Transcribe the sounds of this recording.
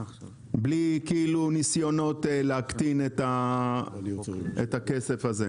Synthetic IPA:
blikiilunisjo̞no̞t̪leakt̪inet̪a | ḛt̪ake̞se̞faze

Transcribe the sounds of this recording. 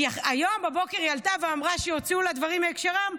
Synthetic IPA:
aχajo̞mbabo̞keʁjalt̪aveamʁaʃejot͡sulad̪vaʁimhaekʃeʁam

